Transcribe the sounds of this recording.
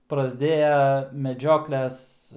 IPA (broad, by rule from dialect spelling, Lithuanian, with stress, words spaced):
prɐzʲˈdʲeːjɛ mʲɛˈd͡ʒʲoːklʲɛs